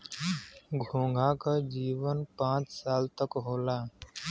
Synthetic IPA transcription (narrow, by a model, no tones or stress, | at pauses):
ɡʱõːŋɡʱãːkad͡ʒiːʋənpãːt͡ʃsaːlt̪əkɦoːlaː